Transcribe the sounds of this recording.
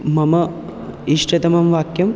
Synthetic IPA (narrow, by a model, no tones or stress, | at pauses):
mɐmɐ | iʂʈɐt̪ɐmɐmʋaːkjɐm